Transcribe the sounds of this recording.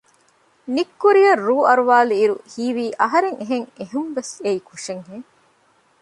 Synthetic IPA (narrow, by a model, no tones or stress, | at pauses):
nikːuɾijɐrːuːɐɾuʋaːluiɾṵhiːʋiːʔɐɦɐɾeŋeɦeŋeɦumʋeseikʰuʂeŋheː